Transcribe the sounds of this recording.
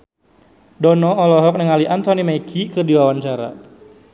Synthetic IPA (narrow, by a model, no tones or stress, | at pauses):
dɔnɔːlɔɦɔk̚nəŋaliʔant̪ɔnimakʰikɨrdiwawaɲt͡ʃaɾa̰